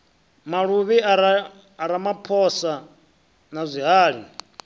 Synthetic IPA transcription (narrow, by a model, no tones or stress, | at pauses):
maɺuβiaː | ɾamapʰɔsa | nazʷiɦaːɺi